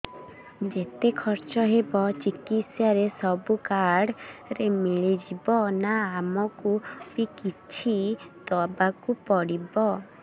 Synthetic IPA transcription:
d͡ʒet̪ekʰɔɾt͡ʃɔɦebɔt͡ʃikit̪sjaɾesɔbukaɽɾemiɭid͡ʒibɔnaamɔkupikitt͡ʃʰit̪ɔbakupɔɽibɔ

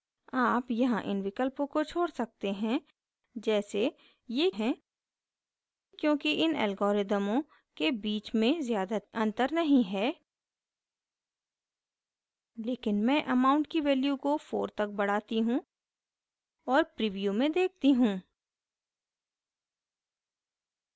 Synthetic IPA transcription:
aːpjɐɦãʔɪ̰nʋɪkəlpõkot͡ʃʰoːɽsɐk̚t̪eɦɛ̃ | d͡ʒɛːse | jeɦɛ̃ | kjõːkiʔɪnɛ̰ːlɡoːɾɪd̪əmõ | kebiːt͡ʃmẽzjaːd̪aɐ̃nt̪əɾnɐɦĩɦɛː | leːkɪnmɛ̃ːʔɐmaːʊ̃ɳʈkiʋɛːljukofo̰ːɾt̪ɐk̚bɐɽ̤aːt̪iɦũ | ɔːɾpɾiːʋijumẽd̪eːk̚ʰt̪iɦũː

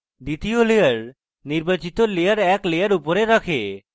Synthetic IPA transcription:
d̪it̪iolejaɾ | niɾbat͡ɕit̪olejaɾɛklejaɾupoɾeɾakʰe

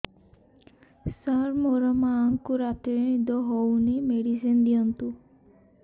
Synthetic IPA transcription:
saɾmoɾɔmaːŋkuɾat̪iɾid̪ɔɦownimeɽisind̪ijɔnt̪u

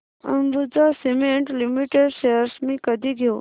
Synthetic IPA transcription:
ɐ̰mbud͡zasemeɳʈlimiʈeɖseɾsmĩkəd̪ʱiɡʱjo

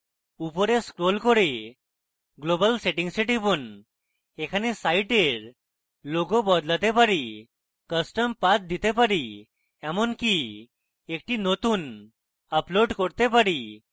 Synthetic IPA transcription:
upɔɾeskɾolkɔɾe | ɡlobəlseʈĩŋɡsiʈipun | ekʰanesaiʈeɾ | loɡobɔd̪lat̪epaɾi | kəsʈəmpat̪̚d̪it̪epaɾi | ɛmɔnki | ek̚ʈinot̪uːn | əploɖkɔɽt̪epaɾi

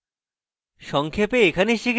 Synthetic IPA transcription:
ʃɔŋkʰepeekʰaneʃik

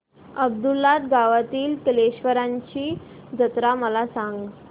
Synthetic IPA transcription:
əb̚d̪ulːat̪ɡaʋat̪iːlkəleɕʋəɾaɲt͡ɕiː | d͡zət̪ɾaməlasaŋɡ

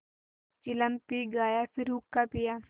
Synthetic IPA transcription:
t͡ʃɪləmpiɡaːjafɪɾuːkːapijaː

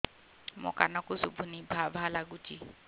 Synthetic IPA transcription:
mʊ̰kanɔkʊsṵbʱunibʱabʱalaɡut͡ʃʼi

